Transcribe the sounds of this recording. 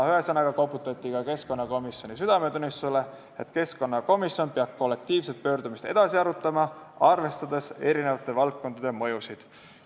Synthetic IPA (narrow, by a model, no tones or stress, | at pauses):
yesɑnɑɡ̥ɑkopːˑut̪ːˑɑt̪ʲːˑikɑke̞sko̞nːɑko̞misjo̞nʲisyd̪̥ɑme̞t̪unːist̪usele̞ | et̪ke̞sko̞nːɑko̞misjo̞npeɑb̥̚ko̞lːe̞k̚t̪iːvset̪̚pø̞ːrd̪umist̪e̞d̪̥ɑsiɑɾut̪ːˑɑmɑɑrve̞st̪ɑd̪e̞se̞ɾine̞vɑt̪ːˑe̞vɑlt̪̚kːo̞nd̪̥ɑd̪emɤ̞jusid̪̥